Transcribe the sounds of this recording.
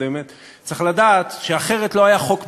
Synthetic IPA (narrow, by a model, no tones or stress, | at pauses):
emet̪ | t͡seχladaːt̪ʃeaχe̞ʁet̪lo̞ajaχo̞kb